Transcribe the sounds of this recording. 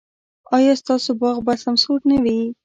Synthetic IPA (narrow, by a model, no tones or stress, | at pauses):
ɑjɑst̪ɑsobɑɣbasamsuʈnawi